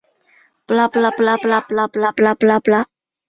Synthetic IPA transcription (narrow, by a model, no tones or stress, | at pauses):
plaplaplaplaplaplaplaplapla